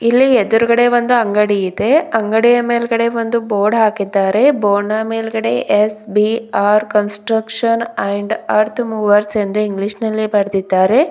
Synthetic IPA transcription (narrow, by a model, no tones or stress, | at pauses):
ilːied̪uɾuɡɐɽe̞ʋond̪uɐŋɡɐɽiid̪e̞ɐŋɡɐɽijɐmeːlɡɐɽe̞ʋond̪uboːɖɦaːkid̪ːaːɾe̞boːɳɐmeːlɡɐɽe̞ʔesbiaːɾkɐnsʈɾɐkʂɐnɐjɳɖaːɾt̪ʰmuːʋɐɾse̞nd̪uiŋɡliʃnɐlːibɐɾd̪id̪ːaːɾe̞